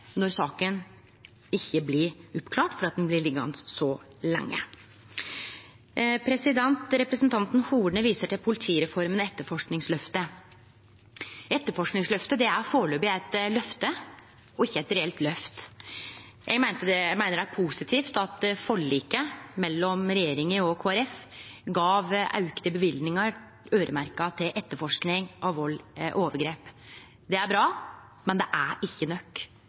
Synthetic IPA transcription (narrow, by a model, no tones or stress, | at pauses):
nɔɾsɑːkən | ɪçːəblɪɾʊpːkʰlɑːʈfɔɾɑt̪̚d̪ɛnblɪɭɪɡɑ̰nsɔ | lɛ̰ŋːə̰ | pʰɾɛsɪd̪ɛnt̪ɾɛpɾəsnt̪ʰɑnt̪n̩huːɖɳəʋiːsəʈʰɪlpʰʊlɪt̪ʰiːɾɛfɔɾmənɛt̪ːəfɔʂknɪŋslœft̪ə | ɛt̪ːəɾfɔʂknɪŋslœft̪əd̪ɛæɾfoːɭøːbɪæɪt̪lœft̪ə | ɔɪçːəɛt̪ɾɛɛlt̪lœft̪ | jʔæ̰ɡmæɪnt̪əd̪ɛmæɪnəɾɖæpʰusɪt̪ʰiːft̪ɑt̪fɔɭːiːkəmɛlːɔmɾɛjeːɾɪŋəɔkʰoːæɾɛfɡɑːʋɑ̰ʉkət̪əbəʋɪld̪nɪŋɑɾ | øːɾʔəmæɾkɑt̪ʰɪlʔɛt̪ːəfɔʂknɪŋʔɑʋʋɔlːʔoːʋəɾɡɾeːp | d̪ɛæɾbɾɑː | mɛnd̪ɛʔæɪçːənœkː